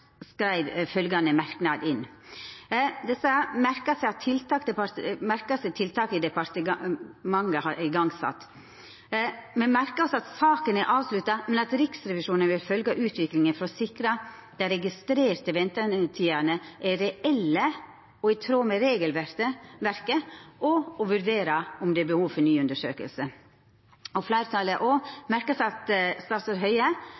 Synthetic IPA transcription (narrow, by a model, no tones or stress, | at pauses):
skɾæɪʋfœlɡɑnəmæɾknɑːd̪ɪn | d̪ɛsəmæɾkɑsɛɪɑt̪ʰɪlt̪ɑːkd̪ɛpɑt̪mæɾkɑsɛt̪ʰɪlt̪ʰɑːkɪd̪ɛpɑɾt̪əmɑŋəhɑɾɪɡɑŋsɑ̰t̪ː | mɛnmæɾkəɾɔsɔɑt̪sɑːkənæɾʔɑːʋslʉt̪ːɑmɛnɑt̪ɾɪksɾɛʋɪʂuːnənʋɪlfœlɡɑʔʉːt̪ʋɪklɪŋənfɾɔsɪkɾɑ | d̪̥ɛɾɛɡɪst̪ɾeːɾt̪əʋɛnt̪ət̪ʰiːɑnəʔæɾɛʔɛlːə | ɔɛt̪ʰɾoːmɛɾeːɡəlʋæɾt̪əʋæɾkəʔɔɔʋʉɾd̪eːɾɑʊmd̪ɛæbəhuːʋfɔɾnyːʉnd̪əʂø̰ːkə̰lsə | ɔflæɪɾət̪ʰɑːləʔoːmæɾkəsɑt̪st̪ɑɾt̪əɾɦœʏə